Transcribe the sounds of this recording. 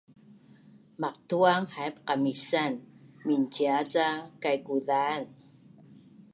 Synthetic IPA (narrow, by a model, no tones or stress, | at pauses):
maqtuaŋhajpqamisanminciat͡sakajkuðaːn